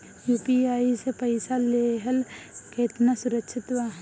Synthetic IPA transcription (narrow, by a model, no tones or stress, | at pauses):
juːpiaːisepɐɪsaleːɦəlkeːt̪nasʊɾəkʃʰɪt̪ʋaːɦ